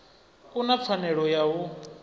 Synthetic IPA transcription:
kʼunap̪fʰanɛɺɔjaɦu

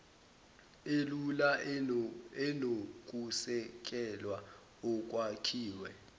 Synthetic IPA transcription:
elula | ɛnok̬ʼusɛk̬ʼɛlwa | ɔk̬ʼwakʰiːwɛ

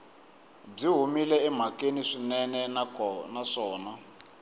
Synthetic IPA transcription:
b͡ʐiɦumilɛɛm̤akeniʂinɛnɛnanaʂɔːna

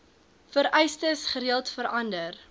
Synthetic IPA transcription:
fəɾɛjstəsχəɾiəlˠtfəɾʔɐndər

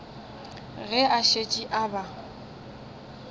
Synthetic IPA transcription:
ɣɛʔaʃet͡ʃʼiʔaba

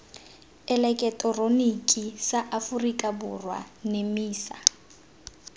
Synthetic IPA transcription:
ɛlɛkʼɛtʼɔronikʼisaʔafurikʼabʊ̰rwa̰nemiːsa̰

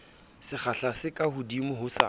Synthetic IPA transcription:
sɪχaɬasɪkʼahʊdimʊɦʊsa̰

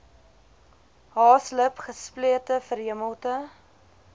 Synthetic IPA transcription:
ɦɑːsləpχəspliətəfəɾɦiəməlˠtə

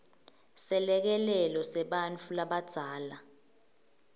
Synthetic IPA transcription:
sɛlɛk̬ɛlɛlɔsɛɓant͡fʰulaɓad̥z̥ʱaːla

